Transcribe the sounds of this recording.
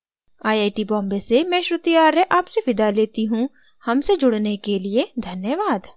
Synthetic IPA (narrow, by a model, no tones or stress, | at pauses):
aːjaːjʈibɔ̃ːmbesemɛ̃ːʃɾʊt̪ijaːɾɛʔaːpseʋɪd̪aleːt̪iɦũ | hɐmsed͡ʒʊɽnekelied̪ʱɐnjəʋaːd̪